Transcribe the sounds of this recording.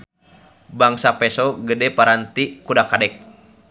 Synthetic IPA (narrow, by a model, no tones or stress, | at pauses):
baŋsapɛsɔɡədɛpaɾant̪ikudakadɛk̚